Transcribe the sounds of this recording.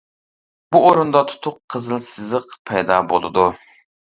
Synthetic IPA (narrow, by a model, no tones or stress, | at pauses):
b̥uoɾund̪ɑt̪ʰu̥t̪ʰʊqʰːəzɨlˠsɨzəqpʰɛjd̪ɑbo̰lˠɨ̰d̪u